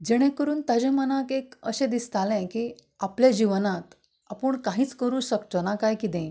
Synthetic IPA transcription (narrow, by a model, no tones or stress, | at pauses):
d͡ʑɛɽ̃ẽkəɾuːnt̪ad͡ʑemənakekəɕẽd̪ist̪alɛ̃ki | apljad͡ʑiʋnat̪ | a̰pəɳkaɦiːt͡skəɾũːɕəkt̪ɔnakajkit̪ɛ̃